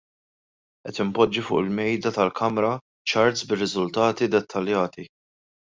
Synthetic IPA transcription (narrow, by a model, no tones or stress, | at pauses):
ʔɛt̪ɪmpɔd͡ʒːifʊ̰ːʔɪlmɛjd̪ɐt̪ɐlkʰɐmɾɐ | t͡ʃɐɾt̪sbɪrːɪzʊlt̪ɐːt̪id̪ɛt̪ʰːɐljɐːt̪i